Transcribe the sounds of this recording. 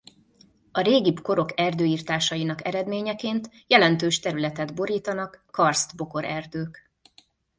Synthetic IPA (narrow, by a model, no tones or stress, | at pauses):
ɒɾeːɡibko̞ɾo̞kɛrd̪øːiːrt̪aːʃɒjinɒkɛɾɛd̪meːɲɛkeːnt̪ | jɛlɛnt̪øːʃt̪ɛɾylɛt̪ɛd̪bo̞ɾiːt̪ɒnɒkːɒrst̪bo̞ko̞ɾɛrd̪øːk